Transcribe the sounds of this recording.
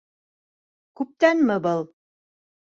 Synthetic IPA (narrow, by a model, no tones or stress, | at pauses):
kʉp̚t̪ænmɘbɤlˠ